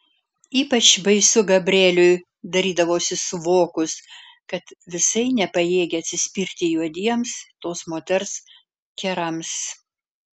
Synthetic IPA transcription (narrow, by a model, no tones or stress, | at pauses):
iːpɐt͡ʃbɐɪsʊɡɐbʲɾʲeːlʲʊj | d̪ɐɾʲiːd̪ɐʋoːsʲɪsʊʋoːkʊs | kɐt̪ʋʲɪsɐɪnʲɛpɐjeːɡʲɛɐt̪ʲsʲɪsʲpʲiːɾʲt̪ʲɪjuɔd̪ʲiɛmst̪oːsmoːt̪ʲɛɾs | kʲɛɾɐms